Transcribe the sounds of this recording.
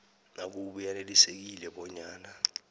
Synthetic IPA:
nak̬uɓujanelisek̬ilɛɓɔɲaːna

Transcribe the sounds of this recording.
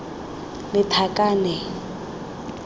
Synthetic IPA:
lɪtʰakʼaːnɛ

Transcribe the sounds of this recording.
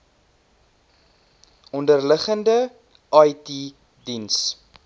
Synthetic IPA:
ɔndərləχəndə | ʔɐjti | dins

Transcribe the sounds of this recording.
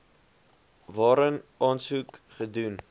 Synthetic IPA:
vɑːɾənɑːnsukχədun

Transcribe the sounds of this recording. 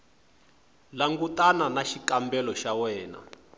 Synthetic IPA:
laŋɡutananaʃikambɛlɔʃawɛːna̰

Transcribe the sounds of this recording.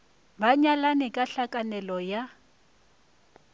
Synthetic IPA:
baɲalanɪkʼaɬakʼanɛlɔja

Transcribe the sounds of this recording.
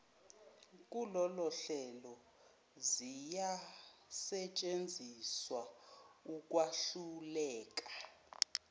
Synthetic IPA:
k̬ʼulɔlɔɬɛlɔ | zija | sɛt͡ʃʼend͡zʱiswauk̬ʼwaɬulɛːk̬ʼḁ

